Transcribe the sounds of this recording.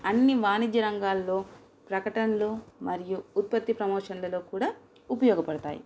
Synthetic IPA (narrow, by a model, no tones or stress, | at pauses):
ɐnːiʋaːnid͡ʒjɐɾɐŋɡaːlːo̞ː | pɾɐkɐʈɐnɐloːmɐɾijuːt̪̚pɐt̪ːipɾɐmɔːʂɐnlɐlo̞ːkuːɽaː | upɐjɔːɡɐpɐɽɐt̪a̰ːjḭ